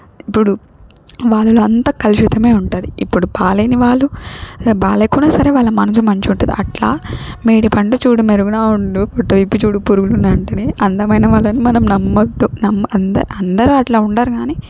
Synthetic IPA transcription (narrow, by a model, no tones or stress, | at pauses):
ipːuɽu | ʋaːɭːɐloːɐnt̪ɐkɐluʂit̪ɐme̞ːuɳʈuːd̪iipːuɽubaːlɐjniʋaːɭːubaːlɐjkunaːsɐɾe̞ːʋaːɭːɐmɐnɐt͡ʃimɐɲt͡ʃiuɳʈund̪ḭɐʈlaːmiːɽipʰɐɳʈut͡ʃuːɽumeɾuɡunaːuɳɖupɔʈːɐʋipːit͡ʃuːɽupuɾuɡulunɐɳʈɐneːʔɐnd̪ɐmɐjnɐʋaːɭːɐnimɐnɐmnɐmːɐd̪ːunɐmːɐnd̪ɐɐnd̪ɐɾuɐʈlaːuɳʈaːɾuɡaːniː